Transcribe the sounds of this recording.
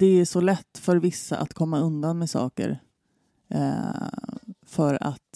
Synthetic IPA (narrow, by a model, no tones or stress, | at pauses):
d̪ɛæʂɔlɛt̪ːfœɾvɪsːa̰ʔa̰t̪kʰɔmːaɵnd̪anmɛːsɑ̰ːkə̰ɾ | fœɾa̰t̪